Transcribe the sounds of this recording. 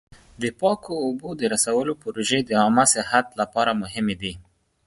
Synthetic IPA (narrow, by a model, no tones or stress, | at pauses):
d̪əpɑkʰoːbod̪əɾasawəlopəɾoʒed̪əɑmasɪɦat̪lapɑɾamʊɦɪmed̪i